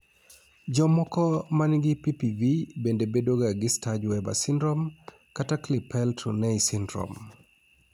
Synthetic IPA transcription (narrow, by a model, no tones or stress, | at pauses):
d͡ʒɔmɔkɔmanɡɪpipivibendebedoɡaɡɪstad͡ʒwɛba̰sɪndɾɔm | kataklɪpʰɛlto̰nɛisindɾɔ̰m